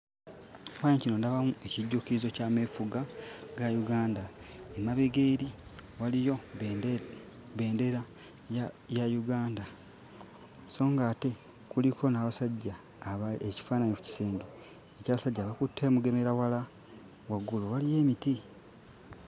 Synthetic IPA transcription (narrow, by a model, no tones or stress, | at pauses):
faːɲecino̞ndaβamuʔe̞ciɟːukiizo̞caːme̞fuɡaɡajuɡaːnda | emaβeɡeɾiwalijo̞ | βe̞ːnde̞ɾa | jajuɡaːnda | so̞ːŋɡaːte̞ | kulikʰo̞naːβasaɟːa | eci̥faːnaɲeku̥ci̥se̞ːnde | ecaːβasaɟːaːβakutʰːe̞ːmuɡe̞me̞ɾawala | waɡuluwalije̞ːmiti